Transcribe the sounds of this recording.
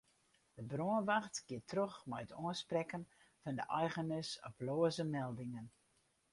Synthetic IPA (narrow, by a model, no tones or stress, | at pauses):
d̥əbroənʋaxtkɪətʰrøxmɛjətoənsprɛkən | fɑndəʔɛjɣənɪsɔ̰ploːəzəmɛlˠdɪŋən